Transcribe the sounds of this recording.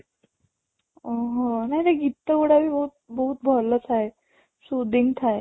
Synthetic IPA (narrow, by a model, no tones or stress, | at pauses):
əɦə̃naɦit̪eɡit̪ːəʋəɽabiːbəɦut̪̚bəɦut̪̚bʱɔlət͡sae | sud̪iŋɡt̪ʰae